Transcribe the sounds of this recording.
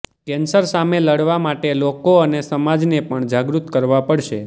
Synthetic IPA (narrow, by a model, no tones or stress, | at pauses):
kɛnsəɾsameləɽʋamaʈelokoənesəmad͡ʒnepəɳd͡ʒaɡɾut̪kəɾʋapəɽʃe